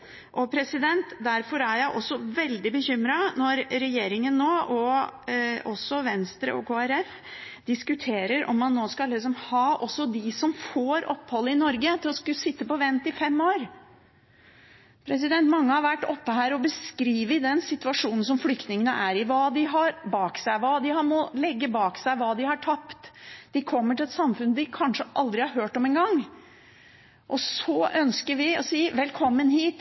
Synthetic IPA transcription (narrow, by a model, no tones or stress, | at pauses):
ʔɔpʰɾɛsɪd̪ɛnt̪d̪æɾfɔɾæɾjæɪʔɔsːɔʋɛld̪ɪbəçʏmɾɑnɔɾɾɛjeːɾɪŋənːoːʔɔ | ɔsːɔʋɛnst̪ɾə̰ɔ̰kʰoːæɾɛf | d̪̥ɪskʉt̪ʰeːɾəɾʔɔ̰mːɑnːoːskɑlːɪks̬ɔmhɑːʔɔsːɔd̪ɪsɔmfoːɾʔɔpːhɔlːəɪnɔɾɡət̪ʰɪlɔskʉsɪt̪ːəpɔʋɛnt̪ɪfɛmːoːɾ | pʰɾɛs̬ɪd̪ɛnt̪mɑŋːəhɑɾʋæʈːɔpːəɦæːɾɔbəskɾiːʋəɪd̪ɛnsɪt̪ʉɑʂuːnn̩s̬ɔmflʏkt̪nɪŋənəʔæɾɪʋɑːd̪ɪɦɑɾbɑːksæɪʋɑːd̪ɪhɑmɔlɛɡːəbɑːksæɪʋɑːd̪ɪhɑʈʰɑpt̪d̪̥ɪkʰɔmːəʈɪlɛt̪sɑmfʉnd̪ɪkʰɑnʂəʔɑld̪ɾɪhɑɾɦøːʈɔmɛːnɡɑŋː | ʔɔsɔʔœnskəɾʋɪɔsiːʋɛlkʰɔmːənhiːt̪